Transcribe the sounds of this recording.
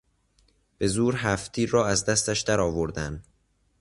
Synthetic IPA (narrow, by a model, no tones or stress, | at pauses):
b̥e̞zuːɾɦæft̪ʰiːɾːɒːæzd̪æst̪æʃd̪æɾɒːvoɾd̪æn